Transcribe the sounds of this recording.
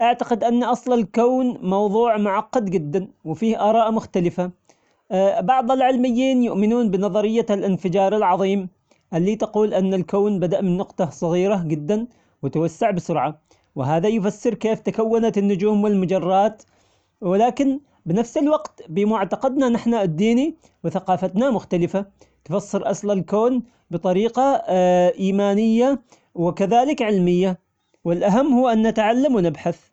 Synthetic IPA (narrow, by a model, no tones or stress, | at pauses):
ʔaʕt̪aqɪd̪ʔanːaʔɑsˤlɪlkoːnmɑwðˤuːʕmʊʕɑqːɑd̪d͡ʒɪd̪ːanwɪfiːhʔɑːɾˤɑːʔmʊxt̪alɪfa | bɑʕðˤɪlʕɪlmɪjːiːnjʊʔmɪnuːnbɪnɑðˤɑɾɪjːalʔɪnfɪd͡ʒɑːɾˤɪlʕɑðˤiːm | ʔɪlːiːt̪ɑquːlʔɪnːalkoːnbad̪aʔmɪnːʊqt̪ˤɑsˤɑɣiːɾad͡ʒɪd̪ːan | wɪt̪awasːaʕbɪsʊɾʕa | wɪɦaːðajfasːɑɾkeːft̪akawːanat̪nːʊd͡ʒuːmwɪlmʊd͡ʒɑrˤːɑːt̪ | wɪlaːkɪn | bɪnafsɪlwɑɡt̪bɪmʊʕt̪ɑqɑd̪nanaħnaɪd̪ːiːni | wɪθaqɑːfat̪namʊxt̪alɪfa | t̪fasːɨɾʔɑsˤlalkoːn | bɨt̪ˤɑɾiːqɑʔiːmaːnɪjːa | wɪkaðaːlɪkʕɪlmɪjːa | wɪlʔaɦamːhʊːʔanːat̪ʕalːamwɪnɪbħaθ